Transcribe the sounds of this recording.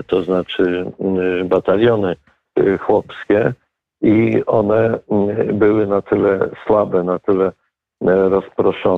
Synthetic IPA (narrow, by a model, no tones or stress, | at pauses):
t̪ɔznat͡ʂɘ | bat̪alʲjɔnɘ | xwɔpskʲɛ | iɔnɛ | bɘwɘnat̪ɘlɛswabɛnat̪ɘlɛ | ɾɔspɾɔʂɔ